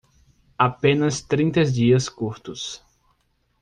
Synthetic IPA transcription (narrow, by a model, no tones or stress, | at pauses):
apẽnɐst̪ɾĩnt̪ɐzd͡ʒiɐskuɾt̪ʊs